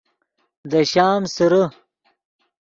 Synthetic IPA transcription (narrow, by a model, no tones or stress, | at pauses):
d̪əɕaːmsəɾə